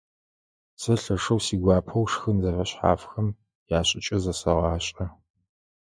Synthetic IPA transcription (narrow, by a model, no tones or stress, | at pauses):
sɐɬɐʂɐwsiːɡʷɑːpʰɐwʂxɨnzɐfɐɕħa̰ːfxɐm | jaːɕʼɪt͡ʃʼɐzɐsɐʁɑːɕʼɐ